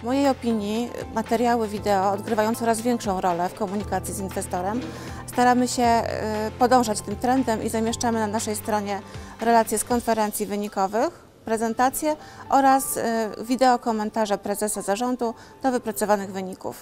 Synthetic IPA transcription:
mɔjejɔpʲiɲjimat̪ɛɾʲjawɘvʲid̪ɛɔːd̪ɡɾɘvajɔnt̪ɔɾazvʲjɛŋkʂɔ̃w̃ɾɔlɛfkɔmuɲikat̪sʲjizinvɛst̪ɔɾɛm | st̪aɾamɘɕɛpɔd̪ɔ̃w̃ʐat͡ɕt̪ɘmt̪ɾɛnd̪ɛmʔizamʲjɛʂt͡ʂamɘnanaʂɛjst̪ɾɔɲɛɾɛlat̪sʲjɛskɔnfɛɾɛnt̪sʲjivɘɲikɔvɘx | pɾɛzɛnt̪at̪sʲjɛ | ʔɔɾasvʲid̪ɛɔkɔmɛnt̪aʐɛpɾɛzɛsazaʐɔnd̪u | d̪̥ɔvɘpɾat̪sɔvanɘɣvɘɲikṵf

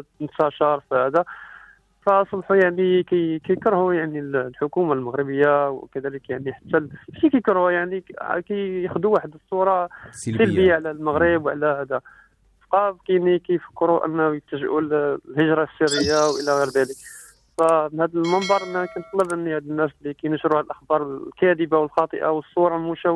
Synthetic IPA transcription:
nt̪æʃɑɾˤfihæd̪a | fæsˤbħujaʕnikæjkæjkəɾhujaʕnillħʊkumalməɣɾəbəjːawkæd̪æləkjaʕniħat̪ːæʃikæjkəɾhujaʕnikæjjəxd̪uwaħəd̪əsˤːuɾˤɑsilbijaʕlælməɣɾəbwʕlæhæd̪a | sqɑbkænikæjfə̥kːɾuʔə̰nːæjəkt̪əʒʔullhəʒɾˤɑsːiɾəjːawʔəlæɣiɾd̪ælək | fænhæd̪əlmənd̪ˤɑɾˤʔənːækænt̪ˤləbʔənːihæd̪ənːæslːikæjnəʃɾuhæd̪əlʔəxbɑɾˤlkæd̪əbawəlxɑt̪ˤə̰ʔawəsˤːuɾˤɑlmuʃæ

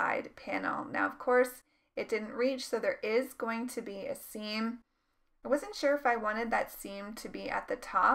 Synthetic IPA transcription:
a̰ɪd̚pʰæ̃nl̩ˠna̰ʊʌv̥kʰɔɹs | ɨt̚d̥ɪdⁿn̩ʔɹit͡ʃsoʊðə˞ʔɪzɡoʊɪ̃ŋtʰɨbiɨ̰sĩm | aɪwʌzɨ̃ntʃʊɹɨfaɪwɑ̃ɾ̃ɨd̪̚ðɨtsĩmtʰɨbiʔɨ̰t̪̚ðɨtʰɔ

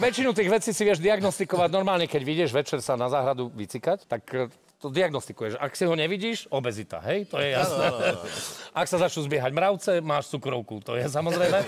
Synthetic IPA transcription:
ʋɛt͡ʃinut̪iːɣʋɛt͡siːsiʋɪɛʒd̪iaɡnɔst̪ikɔʋaɟnɔɾmaːlɲɛkɛɟʋiɟɛʒʋɛt͡ʃɛɾsanazaːɦɾad̪uʋit͡sikact̪ak | t̪ɔd̪iaɡnɔst̪ikujɛʃa̰ksiɦɔɲɛʋiɟiːʃɔbɛzit̪a̰ɦɛjt̪ɔjɛjasnɛː | ʔaksazat͡ʃɲuzbɪɛɦaɟmɾaʊt͡sɛmaːʃt͡sukɾɔʊkut̪ɔjɛs̬amɔzɾɛjmɛ

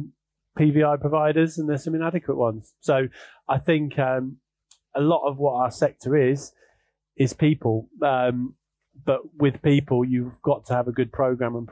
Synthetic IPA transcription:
pʰiːviːaɪpʰɹ̥əvaɪɾəzə̃nðəsə̃mɪ̃nadɪkʰwəʔwʌ̃nz̥soʊ | aɪθɪ̃ŋkʰʌ̃m | əlɒtəvwɒtaʊəsɛk̚tʰəɹɪz̥ | ɪz̥pʰiˑpʰəlˠʌ̃m | b̥ʌʔwɪð̥piˑpʰəlˠjəvɡɒtʰəːvəɡʊd̚pʰɹ̥əʊɡɹãmə̃np

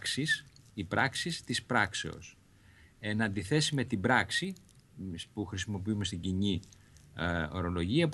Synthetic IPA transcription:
ksisipɾɐksist̪ispɾɐkse̞o̞̰s | enɐnd̪iθe̞sime̞t̪ibɾɐksi | spuxɾisimo̞p̬iumest̪iɟiɲi | o̞̰ɾo̞lo̞ʝiɐp

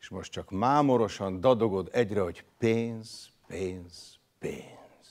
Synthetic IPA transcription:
eʃmo̞ʃtt͡ʃɒkmaːmo̞ɾo̞ʃɒnd̪ɒd̪o̞ɡo̞d̪ɛɟrɛɦo̞ɟpeːnz̥ | peːnz̥ | pḛːns

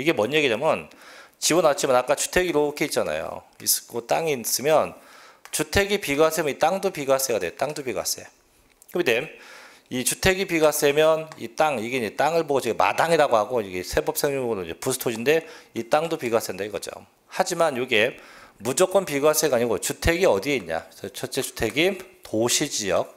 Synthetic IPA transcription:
iɡe̞mwʌɲːeɡidamjʌnt͡ɕibʌnat͡ɕʰimanak͈at͡ɕu̥tʰe̞ɡiɾokʰeit̚t͡ɕ͈ana̰jo̰ | iskot͈aŋis͈ɯmjʌnt͡ɕutʰe̞ɡipiɡas͈emjʌnit͈aŋdopiɡas͈eɡadwejot͈aŋdopiɡa̰s͈ḛ | kɯmidem | it͡ɕutʰe̞ɡipiɡas͈emjʌnḭt͈aŋiɡe̞iɲd͡ʑet͈aŋɯɭboɡot͡ɕeɡema̰daŋiɾaɡohaɡoiɡesʰe̞bʌp̚s͈ʰeŋɲoŋɯɾoid͡ʑe̞pusʰɯ̥tʰod͡ʑʰinde̞it͈aŋdopiɡas͈endaiɡʌd͡ʑo̰m | had͡ʑimanjoɡe̞mud͡ʑok͈ʌnpiɡwas͈eɡaɲiɡot͡ɕutʰe̞ɡiʌdie̞iɲɲa̰sʰʌt͡ɕʰʌt͡ɕ͈e̞t͡ɕu̥tʰe̞ɡitoɕʰid͡ʑijʌk̚

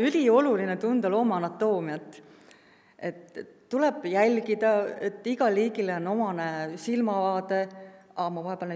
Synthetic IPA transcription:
ylʲio̞lulinet̪und̪̥ɑlo̞ːmɑnɑt̪ːˑo̞ːmiɑt̪ːˑ | e̞t̪ː | ulɛb̥jælʲɡid̪ɑe̞t̪ːˑiɡ̥ɑliːɡileono̞mɑnesilmɑvɑːd̪e̞ɑmɑvɑɦepeln

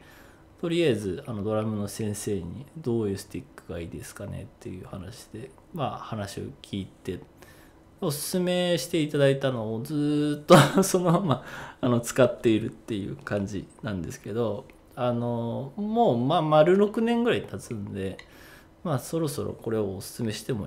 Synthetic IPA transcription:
t̪o̞ɾʲiaezɨano̞d̪o̞ɾamɯ̟no̞sẽ̞ɰ̃se̞ːɲ̟ḭd̪o̞ːjɯ̟ːsɨ̥t̪ikːɯ̟ɡaiːd̪e̞sɨ̥kane̞̰t̪ːe̞̰jɯ̟̰ːhanaɕi̥d̪̥e̞ | mahanaɕio̞̰kʲʰiːt̪e̞ | o̞sɨ̥sɨme̞ɕi̥t̪e̞it̪ad̪ait̪ano̞ːd͡zɨːt̪ːoso̞nomaːno̞t͡sɨ̥kat̪ːe̞iɾɯ̟t̪ːe̞jɯ̟̰ːkãɲ̟d͡ʑḭnãnd̪e̞sɨ̥ke̞d̪o̞ | ano̞moːmamaɾɯ̟ɾo̞kɯ̟nẽ̞ŋɡɯ̟ɾait̪at͡sɨ̃nd̪e̞ | maso̞ɾo̞so̞̰ɾo̰ko̞ɾe̞oːsɨ̥sɨme̞ɕi̥t̪e̞mo

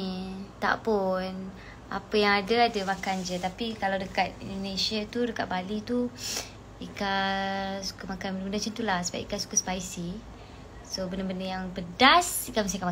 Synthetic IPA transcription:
t̪a̰ʔpun | a̰pəjaŋadəadəmakand͡ʒət̪apikalawdəkat̪̚ḭndonẽsiat̪udəkaʔ̚balit̪u | ika | su̥kamakanbəndəbəndət͡ʃənt̪ulahsəba̰pḭkasu̥kaspaisi | sobəndəbəndəjaŋbədasikaməs̬t̪ikama

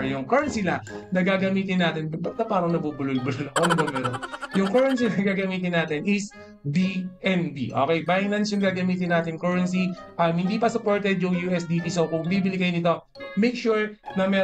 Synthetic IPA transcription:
jʊŋkɔɹɐnsɪlanɐɡaːɡɐmiːt̪̬ɪnːaːt̪ɪnbɐt̪ɐpaːɾɐŋnɐbuːbʊlʊlbʊlʊlɐkonɪbɐmɛːɾonjʊŋkɔɹɐnsinɐɡaːɡɐmiːt̪ɪnːaːt̪ɪnɪs | biʔɛnbḭʔo̰ːkɛjbajɪŋlɐnsjʊŋɡaːɡɐmiːt̪̬ɪnːaːt̪ɪnkoːɹɐns̬ipaɾɐŋhɪnd̪iːpɐsʊpoɹt̪ɛd̪jʊŋjuːʔɛsd̪iːp̪isokʊŋbiːbɪlɪɡɐjnɪt̪o̞ | mɛjkʃuɹnɐmɛ

